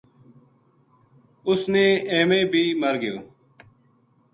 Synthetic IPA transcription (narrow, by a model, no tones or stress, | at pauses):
ʊsneːeːmẽːbʱiːməɾɡɪjo̰ː